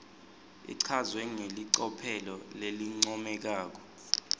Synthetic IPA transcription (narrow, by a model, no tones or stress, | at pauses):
ḭǀʰazwɛŋeliǀɔpʰɛlɔleliŋ͡ǀɔmɛk̬aːk̬ɔ̥